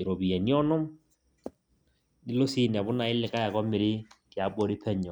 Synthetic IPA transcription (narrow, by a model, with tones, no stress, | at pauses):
ɪ˨ɾɔ˨bi˨ɛ˨ni˦ɔ˦nɔ˦m | dɪ˦lɔ˦si˦n˨a˨bʊ˦na˨ɪ˦lɪ˨ka˦ja˨kɔ˦mɪ˨ɾɪ˦kɪ˨a˨˦bɔ˦ɾɪ˦pʰɛ˦ɲɔ˨